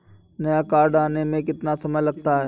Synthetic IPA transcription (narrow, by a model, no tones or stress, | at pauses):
nɐjakaːɾɖaːnemẽk̬ɪt̪nasɐməjlɐɡ̚t̪aɦɛː